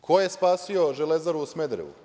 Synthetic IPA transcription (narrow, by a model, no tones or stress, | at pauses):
kʰojespaːsio̞ʒelezaɾuːsmed̪ɾḛṵ